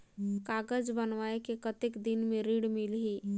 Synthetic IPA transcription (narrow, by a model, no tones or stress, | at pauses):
kaːɡəd͡ʒbənʋaːekekət̪ɪkd̪ɪnmẽɾiɽmɪlɦi